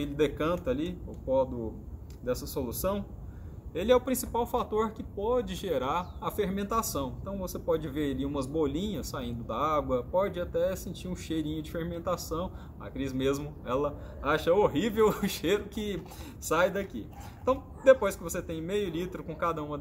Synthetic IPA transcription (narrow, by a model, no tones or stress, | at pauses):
elɪd̪ekɐ̃nt̪ɐliʊpɔd̪ʊ | d̪ɛsɐsolusɐ̃w̃ | elɪɛʊpɾĩsipawfat̪oɾkɪpɔd͡ʒɪʒeɾaɾɐfeɾmẽnt̪asɐ̃w̃ẽnt̪ɐ̃w̃vosepɔd͡ʒɪveɾaliũmɐzbolĩɲɐsːaĩnd̪ʊd̪ɐaɡwɐpɔd͡ʒɪat̪ɛsĩt͡ʃiɾũʃejɾĩɲʊd͡ʒɪfehmẽnt̪asɐ̃w̃ | ɐ̰kɾizmezmʊɛlɐ | aʃɐoɦivewʊʃejɾʊkɪ | sajd̪ɐkḭẽt̪ɐ̃w̃ | d̪epojskɪvoset̪ẽj̃mejʊlit̪ɾʊkõkad̪ɐũmɐ